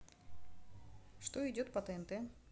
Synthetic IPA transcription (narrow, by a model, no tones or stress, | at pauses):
ʂt̪oɪdʲot̪pɐt̪ɛɛnt̪ɛ